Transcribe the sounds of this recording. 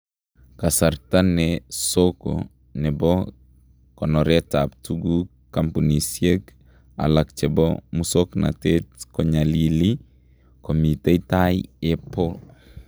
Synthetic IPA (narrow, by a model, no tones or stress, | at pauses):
kasaɾtanɛsoko̰ | nɛbɔ | kɔnɔɾetaptuɡu | kampunisjek | a̰lakt͡ʃɛbɔ̰musokna̰tetkoɲalili | komiteitajepol